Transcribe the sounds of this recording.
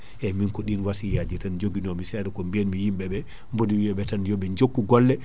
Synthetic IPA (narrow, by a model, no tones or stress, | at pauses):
ʔɛminkɔɗinwasijad͡ʒitand͡ʒoɡinɔmisɛɗɛkɔmbiɛnmijimɓɛɓɛ | mbodiwiɛɓɛtanjɔɓɛɲd͡ʒokːuɡɔlːɛ